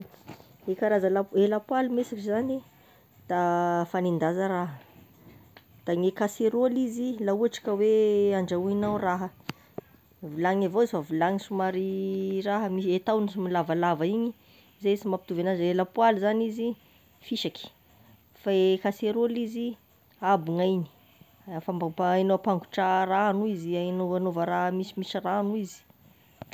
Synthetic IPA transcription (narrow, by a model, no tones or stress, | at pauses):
ekaɾazalaelapwalimesakizani | d̪̥afanind̪azaɾaɦə | d̪̥aŋekaseɾolizilauaʈ͡ʂḁkəweaɳɖ͡ʐauinawraɦə | vulaŋavoizfavilaŋisumaɾiraɦəmiset̪awnisumilavalavaiɲi | zesimapit̪uvenazelapualizanizi | fiʃaki̥ | faekaseɾulizi | abuŋajni̥ | famapajnowpaŋɡu̥ʈ͡ʂaranuizianoanovəɾaɦəmisimisiranuizi̥